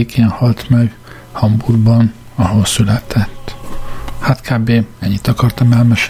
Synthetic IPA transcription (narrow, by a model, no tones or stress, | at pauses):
ekʰeːnhɒlt̪mɛɡ | hɒmburɡbɒn | ɒɦo̞sylɛt̪ʰɛt̪ːhaːt̪kʰaːbeːɛɲːit̪ɒkɒrt̪ɒmɛlmɛʃ